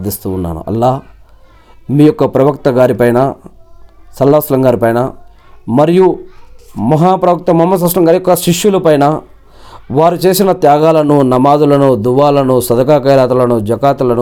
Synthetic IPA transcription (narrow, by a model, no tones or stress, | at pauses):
d̪ist̪uːnːa̰ːnṵʔɐ̰lːaː | miːjɔkːɐpɾɐʋɐkt̪ɐɡaːɾipɐjnɐ | sɐlːɐslɐŋɡaːɾipɐjnɐ | mɐɾiju | mɐɦaːpɾɐʋɐk̚t̪ɐmɐmːɐs̬ɐʃɐŋɡaːɾijɔkːɐʃiʂjulɐpɐjnɐ | ʋaːɾut͡ʃe̞ːsinɐt̪jaːɡaːlɐnunɐmaːd̪ulɐnud̪uʋaːlɐnusɐd̪ɐkaːkɐjɾaːt̪ulɐnud͡ʒɐkaːt̪ulɐnu